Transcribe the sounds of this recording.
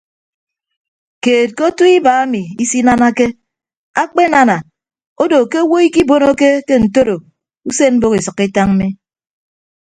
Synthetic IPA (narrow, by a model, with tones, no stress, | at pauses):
keː˨t̚ko˦tu˦i˦ba˨a˦mi˨i˦si˦na˦na˦ke˦ | a˦k͡pe˦na˦na˨ | o˦do˨ke˦o˦wo˦i˦ki˦bo˦no˦ke˦ke˦n̩˨to˦ɾo˨ | u˦se˦m̩˦bo˦ki˨sɨ˨kːi˦ta˦ŋ̩˦mi˦